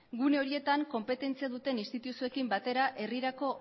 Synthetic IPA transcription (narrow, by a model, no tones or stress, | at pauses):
ɡune̞o̞ɾie̞t̪aŋko̞mpe̞t̪e̞nt͡siaðut̪e̞nist̪it̪usue̞kimbat̪e̞ɾaʔe̞riɾako̞